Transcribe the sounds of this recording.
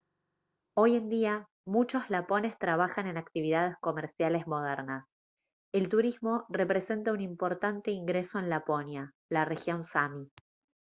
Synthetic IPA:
o̞jend̪ia | mut͡ʃo̞zlapo̞ne̞st̪ɾaβ̞axane̞nakt̪iβiðað̞e̞sko̞meɾsjale̞zmo̞ð̞eɾnas | e̞lt̪uɾizmo̞re̞pɾese̞nt̪aunimpo̞ɾt̪ant̪e̞iŋɡɾe̞so̞enlapo̞nja | lare̞xjo̞nsami

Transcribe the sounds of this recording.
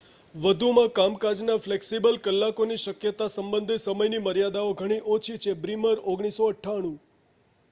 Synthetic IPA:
ʋəd̪ʱumãkamkad͡ʒnafleksibəlkəlːakoniʃəkjət̪asəmbənd̪ʱisəməjniməɾjad̪aoɡʱəɽ̃iʔot͡ʃʰit͡ʃʰebɾiməɾoɡɽ̃isoəʈʰːaɽ̃ũ

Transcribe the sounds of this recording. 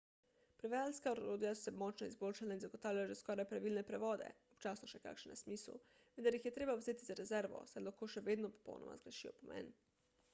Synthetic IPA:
pɾɛʋajalskaoɾɾoːd̪ijasɔ̥sɛmɔt͡ʃnɔizbolʃalainzaɡɔt̪aːwljalaʒɛskɔːɾajpɾaʋilnɛpɾɛʋɔːd̪ɛ̰ɔpt͡ʃaːsnɔʃɛka̰kʃɛnasmiːslṵ | ʋɛnd̪aɾjixjɛt̪ɾeːbawzeːt̪izaɾɛzɛɾʋɔ̰sajlaxkoːʃɛʋeːd̪nɔpɔ̥po̰wnʔɔ̰ma̰zɡɾɛʃiɔpɔmɛ̰n

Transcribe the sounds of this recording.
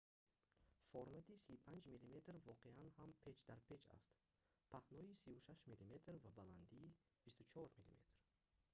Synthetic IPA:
fɔɾmat̪ʰisiupʰand͡ʒmilimet̪ɾvɔqʰeanhampʰe̞t͡ʃd̪aɾpʰe̞t͡ʃa̰st̪ | pʰahnɔisivuʃaʃmilime̞t̪ɾvabaland̪iː | b̥ist̪ut͡ʃʰɔɾmilḭme̞̰t̪ɾ

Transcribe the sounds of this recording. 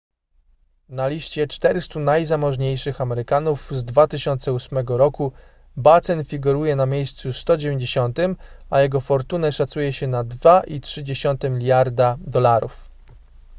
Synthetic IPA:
nalʲiɕt͡ɕɛt͡ʂt̪ɛɾɘst̪unajzamɔʐɲejʂɘxamɛɾɘkanufzd̪vat̪ɘɕɔnt̪sɛusmɛɡɔɾɔku | bat̪sɛnfʲiɡuɾujɛnamʲjejst̪sust̪ɔd͡ʑevʲeɲd͡ʑeɕɔnt̪ɘmajɛɡɔfɔɾt̪unɛʂat̪sujɛɕɛnad̪vaʔitʂɘd͡ʑeɕɔnt̪ɛmʲilʲjaɾd̪ad̪ɔlaɾuf

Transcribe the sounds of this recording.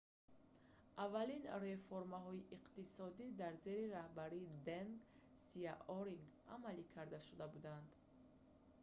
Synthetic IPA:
ʔavːalinre̞foɾmaɦɔiʔiqt̪isɔd̪id̪aɾze̞ɾiɾahbaɾiːd̪eŋɡ | siaʔɔɾiŋɡa̰malikʰaɾd̪aʃud̪abud̪and̪

